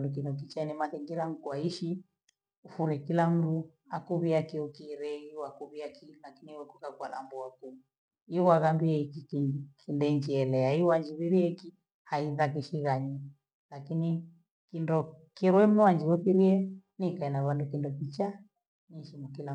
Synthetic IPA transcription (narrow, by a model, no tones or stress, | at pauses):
ndukindɔk̬it͡ʃanimaθɛŋɡiɾam̩kuaiʃi | ufuɾɛkilam̩du | akuβiakiukiɾɛiwakuβiakilakiniwɛku̥kakwa̰la̰mbuaku | iwaɣambiɛikikikʰindɛɲd͡ʒiɛlɛaiwaɲd͡ʒiβiɾiɛki | haiðak̬iʃiɣaɲi | lakini | kindɔkiɾwɛm̩nɛwaɲd͡ʒiɣɔkiɾiɛnikainaβandukindɔkit͡ʃa | niʃimukila